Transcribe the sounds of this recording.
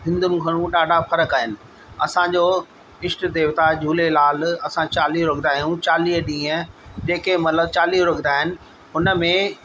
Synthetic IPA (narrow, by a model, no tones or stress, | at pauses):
ɦɪ̃nd̪ʊnɪ̆ɡʱɐɽ̃ũɗaːɖʱafɐɾəkaːɦɪnɪ̆ | ɐ̰sãd͡ʑoː | ɪsʈ̆d̪eːʋt̪ad͡ʑʱuːlelaːlɐsãt͡ɕaːliːɦɾoɡʱnd̪aːɦijũt͡ɕaːliːɦɗĩːə̃d͡ʑeːkemɐt̪ləb̚t͡ɕaːliːɦɾoɡʱnaːɦɪnɪ̆ | ɦʊnəmẽ